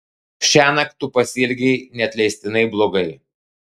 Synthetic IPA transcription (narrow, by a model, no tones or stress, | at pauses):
ʃʲæːnɐkt̪ʊpɐsʲɪlʲɡʲɛɪnʲɛɐt̪ʲlʲɛɪsʲt̪ʲɪnɐɪblˠoːɡɐɪ